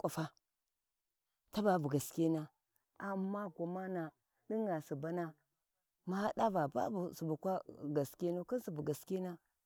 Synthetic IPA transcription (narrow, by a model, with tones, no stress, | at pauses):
kʷʼa˦fa˦ | ta˦ba˨bu˨ɡa˨skʲe˦na˦ | a˨mːa˦ɡʷo˨ma˦na˨ | di˦ŋɡa˨su˨ba˦na˦ | ma˦ha˦da˦va˨ba̰˦bu˨su˨bu˨kʷa˦ɡa˨ske˦nu˦ka˦si˨bu˨ɡa˨ske˦na˦